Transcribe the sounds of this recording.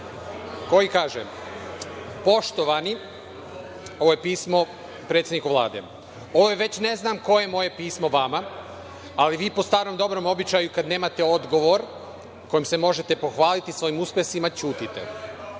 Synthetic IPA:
ko̞jikaːʒe | po̞ʃt̪o̞ʋani | o̞ʋojepiːsmo̞ | pɾet̪sjed̪nikoʋlˠa̰ːd̪ḛ | o̞ʋojeʋe̞t͡ɕne̞znamko̞je̞mo̞je̞piːsmo̞ʋama | aliʋiːpo̞st̪aːɾno̞md̪o̞bɾo̞mo̞bit͡ɕajukad̪neːmat̪e̞o̞d̪ɡo̞ʋo̞ɾ | ko̞jimse̞mo̞ʒe̞t̪epo̞xʋaːlit̪isʋo̞imuspʲjesimat͡ɕuːt̪it̪ḛ

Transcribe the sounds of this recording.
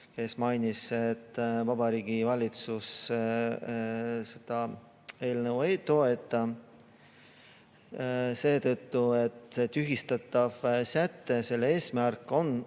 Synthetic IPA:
ke̞smɑjniset̪ːvɑbɑɾiːɡ̥ivɑlʲit̪sus | se̞d̪̥ɑ | e̞ːlnevuejt̪o̞e̞t̪ːˑɑ | se̞ːt̪ɤt̪ːue̞t̪ːse̞t̪yɦist̪ɑt̪ːɑv̥sæt̪ːˑe̞se̞lːe̞ːsmærkːˑo̞n

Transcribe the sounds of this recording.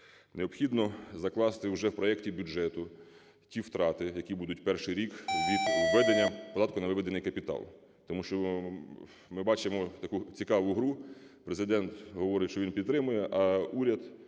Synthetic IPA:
neɔpxʲid̪nɔzɐklˠɑst̪ɪwʒɛwpɾɔɛktʲibʲʊd͡ʒɛt̪ʊ | tʲiwt̪ɾɑt̪ɪjɐkʲibud̪ʊtʲpɛrʃɪjɾʲikʋʲid̪ʋɛd̪enʲːɐpɔd̪ɑt̪kʊnɐʋɪʋɛd̪enɪjkɐpʲit̪ɑ̰lˠ | t̪ɔmuʃt͡ʃɔ | mɪbɑt͡ʃɪmɔt̪ɐkut͡sʲikɑʋʊɦɾupɾezɪd̪ɛnt̪ɦɔʋɔɾɪʃt͡ʃɔʋinpʲid̪t̪ɾɪmʊjɛʔɐuɾʲɐd̪

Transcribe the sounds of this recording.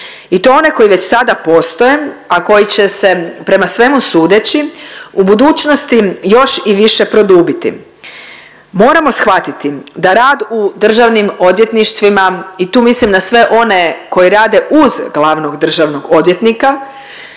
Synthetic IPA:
it̪oo̞ne̞ko̞jiʋe̞t͡ɕsad̪apo̞st̪o̞jeako̞jit͡ɕe̞se̞pɾe̞masʋe̞musuːd̪et͡ɕiubud̪uːt͡ɕno̞st̪ijo̞ʃiʋiʃe̞pɾo̞d̪uːbit̪ḭ | mo̞ːɾamo̞sxʋat̪it̪id̪aɾaːd̪ud̪r̩ʒaʋnimo̞d̪ʋje̞t̪niʃt̪ʋimait̪uːmislimd̪asʋe̞ʔo̞ne̞ko̞jiɾaːd̪e̞ʔuzɡlˠaʋno̞ɡd̪r̩ʒaʋno̞ɡo̞d̪ʋjet̪nika

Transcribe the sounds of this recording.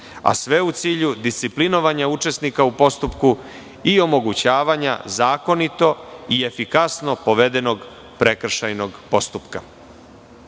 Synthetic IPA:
a̰sʋe̞ut̪siːʎud̪ist̪siplino̞ʋaɲaut͡ʂe̞snikaupo̞st̪upku | io̞mo̞ɡut͡ɕaːʋaɲa̰zaːko̞nit̪o̞ie̞fikasno̞po̞ʋe̞d̪e̞noɡ | pɾe̞kr̩ʃajno̞ɡpo̞st̪upka

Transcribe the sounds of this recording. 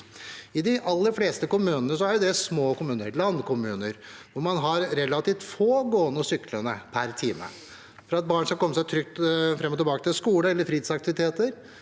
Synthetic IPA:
ɪd̪ɪʔɑlːəɾfleːst̪əkʊmʉːnənəsɔæɾjʊd̪ɛsmoːkʊmʉːnəɾlɑnːkʊmʉːnəɾʋʊɾmɑnɦɑɾɾɛlɑt̪iːft̪foːɡoːnɔsʏklənəpʰæɾt̪ʰiːmə̰ | fɔɾɑt̪̚bɑːɳskɑkɔmːəsæɪt̪ʰɾʏk̚t̪fɾɛmɔt̪ʰɪlbɑːkət̪ɪlskuːləɛlːəɾfɾiːd̪sɑk̚t̪ɪʋɪt̪ʰeːt̪əɾ

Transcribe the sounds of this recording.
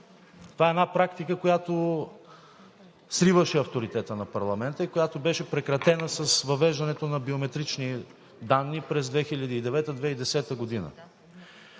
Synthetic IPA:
t̪ovaɛnapɾakt̪ikəkojat̪o | sɾivəʃɛɐft̪oɾit̪ɛt̪ənɐpɐɾlˠɐmɛnt̪əikojat̪obɛʃɛpɾɛkɾɐt̪ɛnəsɐsvɐvɛʒd̪ɐnɛt̪onɐbiomɛt̪ɾit͡ʃni | d̪anːipɾɛzd̪vɛxiʎʲəd̪iːd̪ɛvɛt̪əd̪vɛid̪ɛsɛt̪əɡod̪inə̰

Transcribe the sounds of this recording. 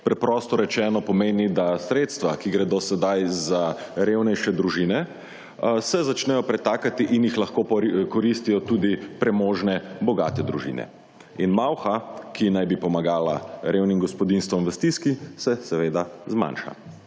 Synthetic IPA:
pɾɛpɾɔːst̪ɔɾɛt͡ʃɛːnɔpɔmeːnid̪asɾeːt̪st̪ʋakiɡɾɛd̪osɛd̪ajzaɾewnɛjʃɛd̪ɾuʒiːnɛ | sɛzat͡ʃnɛjɔpɾɛt̪aːkat̪iʔinjixlaxkokɔɾist̪ijɔt̪uːd̪ipɾɛmoːʒnɛbɔɡa̰ːt̪ɛd̪ɾuʒḭːnɛ̰ | inmawxakʰinajbipɔmaɡaːla̰ɾewnimɡɔspɔd̪inst̪ʋɔmʋəst̪iskisɛsɛʋeːd̪azma̰nʃa̰

